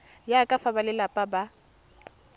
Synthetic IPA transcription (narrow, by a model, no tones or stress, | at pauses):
jakʼafabalɪlapʼaba